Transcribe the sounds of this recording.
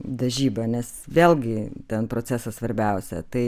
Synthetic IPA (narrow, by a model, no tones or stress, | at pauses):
d̪ɐʒʲiːbɐnʲɛsʋʲeːlʲˠɡʲɪt̪ʲɛnpɾoːt͡sʲæsɐsʋɐɾʲbʲɛʊsʲɛ̰t̪ɐɪ